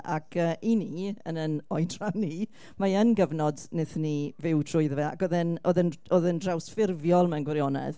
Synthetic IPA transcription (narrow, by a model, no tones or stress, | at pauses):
ʔa̰kʰəːʔiniə̰nənɔjdrani | maənɡəvnɔdnɪθnivɪwtʰrʊɨðəvɛa̰kɔðɪnʔoðənoðəndrawsfɪrvjɔlˠmɛwnɡwɛɾjɔnɛ̰ð̥